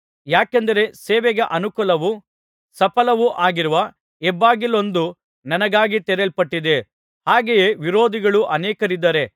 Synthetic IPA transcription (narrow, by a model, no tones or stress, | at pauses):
jaːkɐnd̪ɐɾe̞seːʋɛɡɐʔɐnukulɐʋu | sɐpɐlɐʋuʔaːɡiɾuʋɐ | ɛbːaːɡilo̞nd̪u | nɐnɐɡaːɡit̪ɛɾelpɐʈːid̪e̞ | haːɡejeʋiɾoːd̪iɡɐɭuʔɐnɛːkɐɾid̪ːɐɾe̞